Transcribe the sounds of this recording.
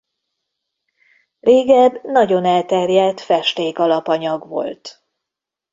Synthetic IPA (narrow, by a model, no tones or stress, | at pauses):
reːɡɛbnɒɟo̞nɛlt̪ɛrjɛlt̪fɛʃt̪eːkɒlɒpɒɲɒɡʋo̞̰lt̪